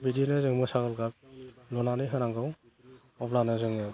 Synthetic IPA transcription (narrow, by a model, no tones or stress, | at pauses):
bidinɯzɯŋmɯsaɡɯlɡaplɔnanɯɦɯɾaŋɡɯw | ɔblanɯzɯŋɯ